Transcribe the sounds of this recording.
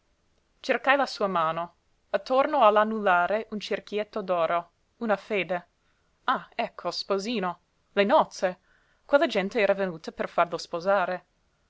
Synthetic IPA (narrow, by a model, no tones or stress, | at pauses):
t͡ʃerkajlasuːamaːno | at̪ʰːornoalanːulːaːɾeʔunt͡ʃerkjet̪ːod̪ɔːɾo | unafeːd̪e | aɛkʰːospoziːno | lenɔt̪se | kwelːad͡ʒɛnt̪eɛːɾavenuːt̪aperfarlospozaːɾe